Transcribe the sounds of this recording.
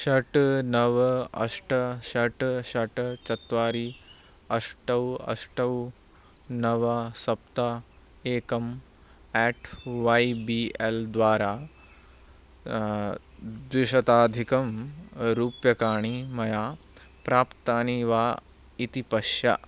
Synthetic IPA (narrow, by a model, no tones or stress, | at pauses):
ʃɐʈnɐʋɐɐ̰ʂʈɐʃɐʈʃɐʈt͡ʃɐt̪ʋaːɾiɐʂʈɐwɐ̰ʂʈɐw | nɐʋɐsɐp̚t̪ɐ | eːkɐm | ɛːʈʋɐjbield̪ʋaːɾaː | d̪ʋɪʃɐt̪aːd̪ʱikɐmɾuːpjɐkaːɳimɐjaː | pɾaːpt̪aːniːʋaː | it̪ipɐʃjɐ̰